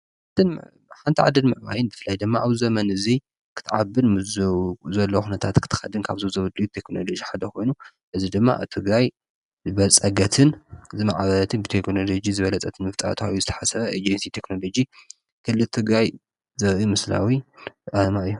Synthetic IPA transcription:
ħant̪ʰɨn | ħant̪ʰiʕa̰d̪ɨnmɨʕma̰jɪnbɨfɨlːajd̪ɨmːaʔaβzɐmɐnɨzi | kʰɨ̥t̪ʰʕabːɨn | zɐlːɐxunɐt̪ʰat̪kʰɨ̥t̪ʰɨ̥xɐ̰d̪ɨnkʰaβzozɐβɨd̪ujut̪ʰekno̞lo̞d͡ʒiħad̪ɐkʰo̞jnu | ʔɨzid̪ɨmːa̰ʔa̰βt̪ʰɨɡɾaj | zɨβɐt͡sʼɐɡɐt̪ʰɨnɨzimaʕβɐt̪ʰɨnbɨt̪ʰekno̞lo̞d͡ʒizɨβɐlɐt͡sʼɐt̪ʰɨnmɨft̪ʼa̰t̪ʰuɨjuzɨt̪ʰɐ̥ħasɐβɐʔed͡ʒɛnsit̪ʰe̞kno̞lo̞d͡ʒi | kʰɨlːɨlt̪ʰɨɡɾaj | zɐɾʔimɨsla̰wiʔamaʔɨjːu

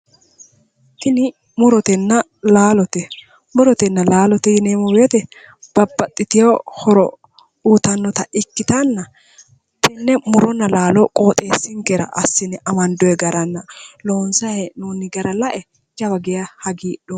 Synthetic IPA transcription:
tɪnɪ | mʊɾɔt̪ɛnːɐ | laːlɔt̪ɛ | mʊɾɔt̪ɛnːɐlaːlɔt̪ɛjɪneːmɔweːt̪ɛ | b̥ɐbːɐt̪ʼːɪt̪ɪjoːhɔɾɔ̰ | uːt̪ɐnːɔt̪ɐɪkːɪt̪ɐnːɐ | t̪ɛnːɛmʊɾɔnːɐlaːlɔkʼo̞ːt̪ʼeːsːɪŋkɛɾɐ̰ʔɐsːɪnɛʔɐmɐnd̪ɔjɛɡɐɾɐnːɐloːnsɐhɛnuːnɪɡɐɾɐlɐʔɛ | d͡ʒɐbɐɡɛjɐhɐɡiːɗɔ

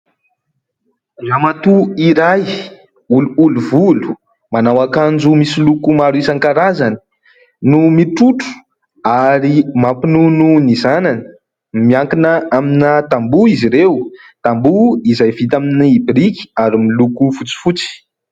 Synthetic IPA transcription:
zamat̪uiɾaj | uluuluvulu̥ | manawakand͡zumisilukumaɾisaŋkaɾazani̥ | numiʈ͡ʂuʈ͡ʂu̥ | aɾimapinununizananə̥ | miaŋkinəaminat̪ambuiziɾew | t̪ambuizajvit̪̬aminiibriki̥aɾimilukufut͡si̥fut͡si̥

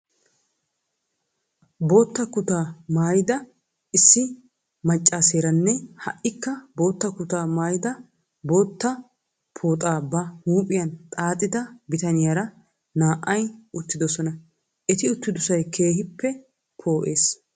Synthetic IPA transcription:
bo̞ːt̪ːɐkʊt̪aːmaːjɪd̪ɐ | ɪsːɪ | mɐt͡ʃʼːaːse̞ːɾɐnːɛhɐʔɪkːɐbo̞ːt̪ːɐkʊt̪aːmaːjɪd̪ɐ | bo̞ːt̪ːɐ | pʰo̞ːt̪ʼaːbɐhuːpʼɪjɐnt̪ʼaːt̪ʼːɪd̪ɐbɪt̪ɐnɪjɐɾɐ | naːʔɐjʔʊt̪ːɪd̪ɔsɔnɐ | ʔɛt̪ɪʊt̪ːɪd̪ʊsɐjkʰe̞ːhɪpːɛ | pʰo̞ːʔe̞ːs

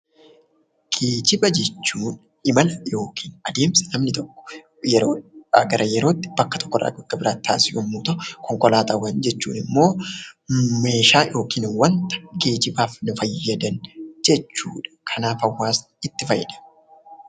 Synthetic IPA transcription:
ɡ̥eːd͡ʒɪbɐd͡ʒɛt͡ʃːuːn | ɪmɐlɐjo̞ːkʰi̥ːnɐd̪e̞ːmsɐ̥nɐmnɪt̪ɔkːɔ̥ | jɛɾoːɐɡɐɾʔɐjɛɾo̞ːt̪ːɪ̥bɐkːɐt̪ʰɔ̥kːɔrʔɐ̰ɡɐkːɐbɪɾaːt̪ːʰaːsɪsʊmːuːt̪ɐkɔŋkɔlaːt̪ɐwɐnd͡ʒɛt͡ʃːṵːnɪmːo̞ː | me̞ːʃaːjo̞ːkiːnwːɐnt̪ɐ̥ɡeːd͡ʒɪbaːfnʊfɐjːɐd̪ɐnd͡ʒɛt͡ʃːuːᶑɐ̥kʰɐnaːfɐwːaːs | ɪt̪ːɪfɐjːɛ̰ᶑɐ̥

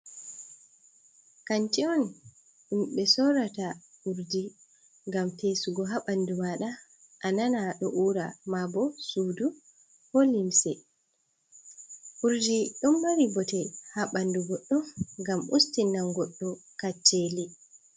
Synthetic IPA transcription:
kantiɔn | ɗumɓɛsɔɾata | ʔuɾdi | ŋɡamtesuɡɔɦaɓandumaɗa | ʔananaɗɔʔuːɾamabɔsuːdu | holimsɛ | ʔuɾd͡ʒiɗɔmbaɾibɔtɛhaɓanduɡɔɗːɔfŋɡamustinːaŋɡɔɗːɔkat͡ʃːeli

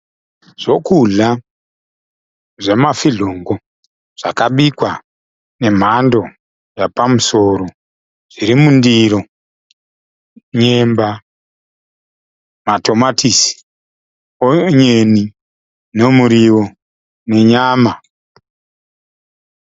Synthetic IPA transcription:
ʐ̥o̞kuɮa | ʐe̞mafiɮoŋɡo̞ | ʐ̥akaɓikwa | ne̞m̤ando̞ | japamuso̞ɾo | ʐ̥iɾimundiɾo̞ | ɲemba | mato̞matʰisi̥ | oɲeni | ne̞muɾiwo̞ | ne̞ɲaːma

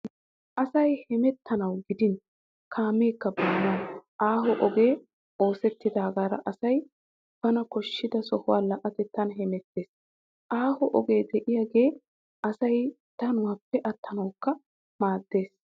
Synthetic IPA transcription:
ʔɐsɐjhɛmɛt̪ʰːɐnɐwɡɪd̪ɪn | kʰaːmeːkːɐbɐːnɐwʔaːɦɔʔɔɡe̞ː | ʔo̞ːsɛt̪ːɪd̪aːɡaːɾɐ̰ʔɐsɐj | b̥ɐnɐkɔʃːɪd̪ɐsɔhʊwaːlɐʔɐt̪ɪt̪ːɐnɦɛmɛt̪ːe̞ːs | ʔaːhɔʔɔɡe̞ːd̪ɛʔɪjaɡe̞ː | ʔɐsɐj | t̪ɐnʊwaːpːɛʔɐt̪ːɐnɐwkːɐ | maːd̪ːe̞ːs

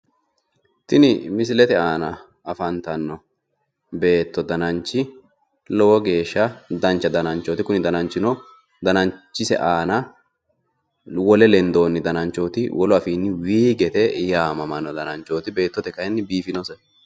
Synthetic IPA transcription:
t̪ɪnɪmɪs̬ɪlɛt̪ɛaːnɐ | ɐfɐnt̪ɐnːɔ | be̞ːt̪ːɔd̪ɐnɐnt͡ʃːɪ | lɔwɔɡe̞ːʃːɐd̪ɐnt͡ʃːɐd̪ɐnɐnt͡ʃoːt̪ɪkʊnɪd̪ɐnɐnt͡ʃːɪnɔ | d̪ɐnɐnt͡ʃːɪsɛ̰ʔaːnɐ | wɔlɛlɛnd̪o̞ːnːɪd̪ɐnɐnt͡ʃːo̞ːt̪ɪ̰wɔlɔɐfiːnːɪwiːɡɛt̪ɛjaːmɐmɐnːɔd̪ɐnɐnt͡ʃːo̞ːt̪ɪbe̞ːt̪ːɔt̪ɛkɐjɛnːɪbiːfɪnɔsɛ

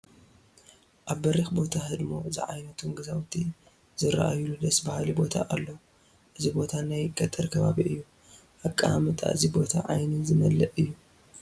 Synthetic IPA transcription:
ʔaβːɐɾixbo̞t̪ʰaɦɨd̪mo̞zɨ̰ʕa̰jnɐt̪ʰunɡɐzawt̪ʰi | zɨɾɐ̰ʔa̰jlud̪ɐsbɐhalibo̞t̪ʰa̰ʔalːɐw | ʔɨzibo̞t̪ʰanajɡɐt̪ʼɨɾkʰɐβaβiʔɨjːu | ʔakʼːamɨt̪ʼʰa̰ʔɨzibo̞t̪ʰaʕajnɨzɨmɐlɐʔɨjːu

